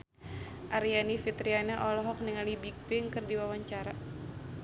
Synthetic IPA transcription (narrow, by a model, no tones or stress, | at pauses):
ʔaɾianifit̪ɾianaʔɔlɔɦɔk̚niŋalibik̚bɪŋkɨrdiwawaɲt͡ʃaɾa